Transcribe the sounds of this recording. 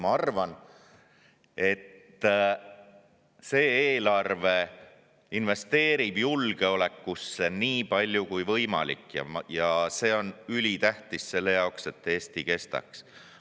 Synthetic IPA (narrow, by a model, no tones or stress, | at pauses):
mɑɑrvɑn | e̞t̪ː | se̞ːeːlɑrve̞ | inve̞st̪e̞ːɾib̥julɡ̥e̞o̞le̞kːusːeniːpɑlʲjukujvɤ̞jmɑ̰lḭkːjɑ̰jɑse̞ːo̞nylʲit̪æht̪isse̞lːe̞jɑokse̞t̪ːeːst̪ike̞st̪ɑ̰ks